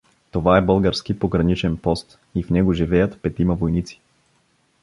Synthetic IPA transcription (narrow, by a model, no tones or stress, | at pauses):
t̪ovaɛbɤlˠɡəɾskipoɡɾɐnit͡ʃɛnpɔst̪ | ifnɛɡoʒivɛjət̪pɛt̪imɐvojnit̪si̥